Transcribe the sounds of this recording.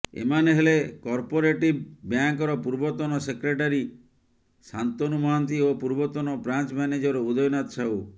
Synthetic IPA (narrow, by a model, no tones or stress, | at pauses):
ḛmaneɦelekɔɾpɔɾeʈibbjaŋkɔɾɔpuɾbɔt̪ɔnɔsekɾeʈaɾi | sant̪ɔnumɔɦant̪iopuɾbɔt̪ɔnɔbɾant͡ʃmaned͡ʒɔɾeud̪ɔjɔnat̪ɔt͡ʃʰaw